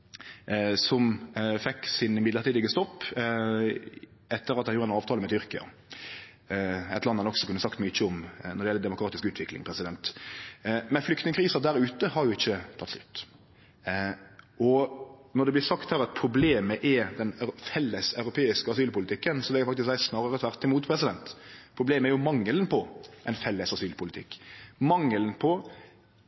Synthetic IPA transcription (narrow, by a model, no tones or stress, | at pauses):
sɔmfɛkːsɪnɪmɪd̪əɾt̪iːd̪ɪɡəst̪ɔpː | ɛt̪ːəɾɑt̪d̪ɛnjuːɾəæɛnɑːʋt̪ʰɑːləmɛt̪ʰʏɾkɪɑ̰ | æɛɪt̪lɑnhɑnɔksɔkʰʉnːəsɑkt̪myçːəɔmnɔɾd̪ɛjɛlːəd̪ɛmʊkʰɾɑːt̪ɪskʉːt̪ʰʋɪklɪŋpʰɾɛsɪd̪ɛnt̪ | mɛnflʏkt̪nɪŋəkʰɾiːsəd̪æɾʉːt̪əhɑɾjʊɪçːət̪ʰɑt̪ːslʉt̪ː | ɔnɔɾd̪ɛblɪsɑkt̪hæːɾɑt̪̚pʰɾʊbleːməʔɛɾd̪ɛnfɛlːəsɑʉɾʊpʰeːɪskəɑsyːlpʊlɪt̪ʰɪkːənsɔʋ̪ɛːɡəfɑkt̪ɪsk̪̚æɪsnɑːʁəɾət̪ʰʋæɾt̪ːɪmuːt̪pʰɾɛsɪd̪ɛnt̪pʰɾʊbleːməæɾjʊmɑŋːəlnpʰɔʔɛnfɛlːəsɑsyːlpʰʊlɪt̪ʰɪ̰kːmɑŋːəlnpʰɔ